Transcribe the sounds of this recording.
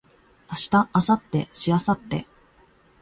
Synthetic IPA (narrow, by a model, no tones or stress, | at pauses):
aɕi̥t̪aʔːsat̪ːe̞̰ɕiasat̪ːe̞̰